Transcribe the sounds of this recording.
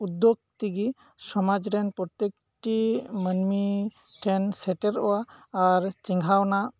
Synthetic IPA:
ud̪ːoɡ̚t̪iɡi | sɔmad͡ʒɾɛnpɾɔt̪ek | ʈimənmi | ʈʰɛnsɛʈɛɾɔwaːɾt͡ʃiŋɡʱawnaʔ

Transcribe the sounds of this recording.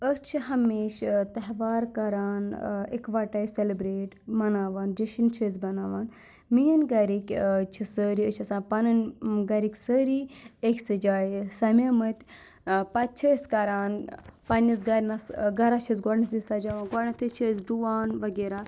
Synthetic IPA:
əkt͡ʃʰiɦɐmeːʃt̪ɐɦʋaːɾkɐɾaːnḭkʋaʈɐːjselibɾeːʈmɐnaːʋaːnd͡ʒɐʃint͡ʃʰəzbɐnaːʋaːn | mijənɡɐɾikʲt͡ʃʰisəːɾiət͡ʃʰɐsaːnpɐnɐnɡɐɾikʲsəɾiekʲsɐd͡ʒaːjsɐmʲɐmət̪ʲ | pɐt̪̚t͡ʃʰɐskɐɾaːnpɐnizɡɐɾʲnɐsɡɐɾat͡ʃʰɐzɡɔɽnɐt̪ʰisɐd͡ʒaʋanɡɔɽnɐt̪ʰit͡ʃʰəzɖuʋaːnʋɐɡeːɾaː

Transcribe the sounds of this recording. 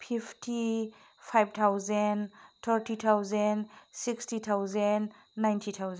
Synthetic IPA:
pʰipʰtʰi | pʰajb̚t̪ʰawzɛnt̪ʰəɾtʰit̪ʰawzɛnsikstit̪ʰawzɛnː | ajntʰit̪ʰawzɛ

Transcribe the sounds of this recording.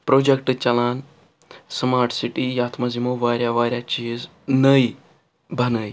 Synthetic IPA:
pɾod͡ʑek̚ʈt͡ɕɐlaːn | səmaɾʈsiʈijat̪ʰmazimoʋaɾjaʋaɾʲjat͡ɕiːz | nəj | bʱɐnəj

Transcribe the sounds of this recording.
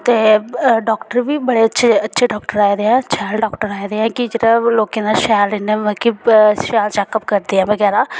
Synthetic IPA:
t̪eːɖɔːkʈəɾʋiːbəɽeːətːʃʰeətːʃʰeːɖɔːkʈəɾaːid̪eːɛ̃ətːʃʰaɖɔːkʈəɾaːid̪eːɛ̃ːkɪd͡ʒeːɾaloːkẽːnaʃɛːlɪneʋəːkiʃɛːlt͡ʃɛːkəp̚kəɾd̪eːɛ̃ːʋəɡɛːɾaː

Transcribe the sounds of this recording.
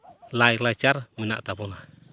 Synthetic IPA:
lailat͡ʃarmina̰ʔt̪abɔna

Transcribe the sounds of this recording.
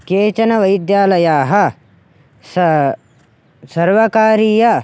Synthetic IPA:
keːt͡ʃɐnɐʋɐjd̪jaːlɐjaːɦɐ̆ | s | sɐɾʋɐkaːɾiːjɐ

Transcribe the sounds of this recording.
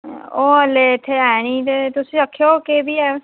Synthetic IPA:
oːəlet̪ʰːeɛːniːt̪et̪ʊsĩːəkʰːjoːkebiːɛː

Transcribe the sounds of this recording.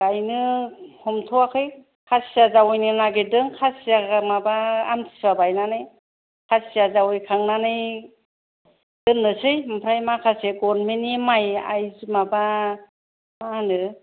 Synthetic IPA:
ajnɯhɔmtʰɔakʰɯj | kʰasijazawɔjnɯnaɡedɯŋkʰasijaɡamabaːmtʰi̥sabajnanɯj | kʰasijazawɯjkʰaŋnanɯj | d̥ɯŋːɯsɯjmpʰɾajmakʰaseɡɔɾmenimaja̰jzimaba | anɯ

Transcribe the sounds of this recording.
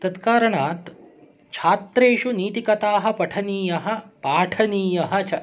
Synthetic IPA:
t̪ɐt̪kaːɾɐɳaːt̪ | t͡ʃʰaːt̪ɾeːʃuniːt̪ikɐt̪aːɦɐ̆pɐʈʰɐniːjɐɦɐ̆paːʈʰɐniːjɐɦɐ̆t͡ʃʰɐ

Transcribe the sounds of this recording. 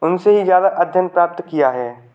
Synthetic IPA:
ʊnseɦizjaːd̪aʔɐd̪ʱjənpɾaːp̚t̪kijaɦɛː

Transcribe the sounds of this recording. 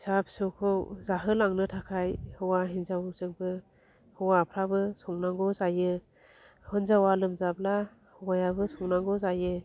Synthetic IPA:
sapʰsɔkʰɔwzaɦɯlaŋnɯtʰakʰajhɯwaɦinzawzɯŋbɯ | hɯwapʰɾabɯsɔŋnaŋɡɔzajɯ | hɯnzawalɯmzab̚la | hɯwajabɯsɔŋnaŋɡɔzajɯ

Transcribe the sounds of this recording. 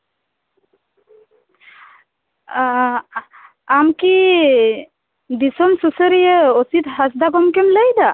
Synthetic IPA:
amki | d̪isɔmsusəɾijəɔsit̪ɦasd̪aɡɔmkemləjd̪a

